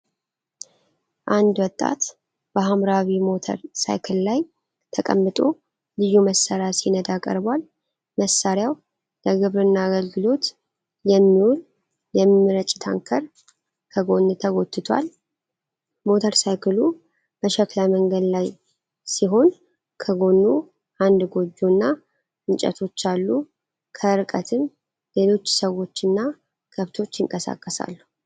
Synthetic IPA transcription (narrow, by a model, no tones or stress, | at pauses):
ʔand̪wɔt̪ʼːa̰t̪ | b̥əhamɾaβimo̞t̪ʰə̰ɾsa̰jkʰɨllaj | t̪ʰəkʼə̰mːɨt̪ʼo̞ | lɨjuməsːəɾasinəd̪akʼə̰ɾbwal | məsːaɾjaw | ləɡɨβɾɨnːaːɡəlɡɨlo̞t̪ | jɛmːiwul | jɛmːɨɾət͡ʃʼːɪ̥t̪ʰa̰ŋkʰəɾ | kʰəɡo̞nːɨt̪ʰəɡo̞t̪ʰːɨt̪ʰwa̰l | mo̞t̪ʰəɾsajkʰɨlu | bəʃɛklaməŋɡəd̪laj | siɦo̞n | kʰəɡo̞nːu | ʔand̪ɡo̞d͡ʒunːa | ɨnt͡ʃʼə̰t̪ʰo̞t͡ʃːalːu | kʰəɾkʼət̪ʰɨn | le̞lo̞t͡ʃːsəwo̞t͡ʃːɨnːa | kʰəβt̪ʰo̞t͡ʃːɪŋkʼəsa̰kʼːəsa̰lːu